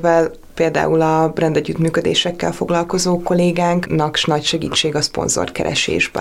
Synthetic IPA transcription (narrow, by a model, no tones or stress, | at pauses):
vɛl | peːld̪a̰ːulɒbrɛnd̪ɛɟːyt̪myːkød̪ḛːʃɛkːɛ̰lfo̞ɡlɒlko̞zoːko̞leːɡaːŋknɒkʃnɒcʃɛɡḭːt͡ʃːeːɡɒspo̞̰nzo̰r̚kɛ̰ɾʔɛ̰ʃḛːʒbɛ̰